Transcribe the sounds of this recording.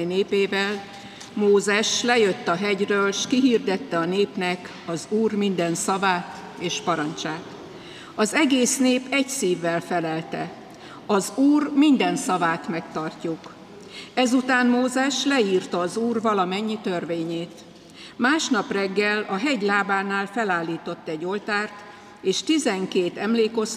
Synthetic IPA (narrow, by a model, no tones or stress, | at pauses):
neːpeːvɛl | moːzɛʃlɛjøt̪ːɒɦɛɟrøːlʃkiɦiːrd̪ɛt̪ːɛɒneːpnɛk | ɒzuːrmind̪ɛnsɒvaːt̪ | eːʃpɒɾɒnt͡ʃaːt̪ | ɒzɛɡeːsneːpɛɟsiːvːɛlfɛlɛlt̪ɛ̰ | ɒzuːrmind̪ɛnsɒvaːt̪mɛkt̪ɒrcuk | ɛzut̪aːnmoːzɛʃlɛiːrt̪ɒːzuːrvɒlɒmɛɲːit̪ø̞rveːɲeːt̪ | maːʃnɒprɛɡːɛlɒɦɛɟlaːbaːnaːlfɛlaːlːiːt̪o̞t̪ːɛɟːo̞lt̪aːrt̪ | eːʃt̪izɛŋkeːt̪ɛmleːko̞s